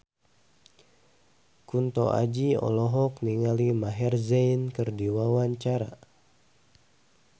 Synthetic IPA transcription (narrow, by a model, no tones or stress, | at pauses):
kunt̪ɔ̰ʔa̰d͡ʒiɔ̰lɔɦɔk̚niŋalimaɦɛrzankɨrdiwawaɲt͡ʃaɾa